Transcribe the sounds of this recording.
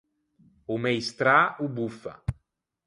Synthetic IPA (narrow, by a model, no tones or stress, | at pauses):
umɛjst̪ɾaubufa̰